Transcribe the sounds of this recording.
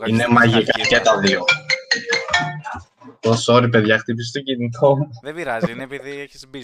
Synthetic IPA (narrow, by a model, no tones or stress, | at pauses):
ine̞mɐʝikɐcet̪ɐðio | posoɾip̬e̞ðʝɐxt̪ip̬ist̪o̞ɟinit̪ʰo̞mu